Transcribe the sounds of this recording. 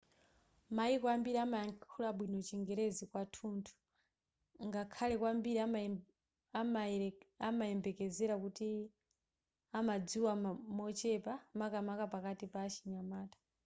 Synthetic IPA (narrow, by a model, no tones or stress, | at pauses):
maikwambiɾiamaaŋkʰulaɓwinɔt͡ʃiŋɡɛɾɛzikwatʰuːntʰu̥ | ŋɡakʰalɛkwambiɾia | amajɛmbɛkɛzɛɾakuti | amad͡ziwamɔt͡ʃɛpamakamakapakatipaːt͡ʃiɲamaːtḁ